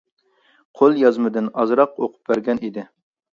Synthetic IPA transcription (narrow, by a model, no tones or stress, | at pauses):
qʰolˠjɑzmɨd̪ɪnɑzɾɑqoqʰʊ̥p̚bæɾɡʲɛnid̪ɪ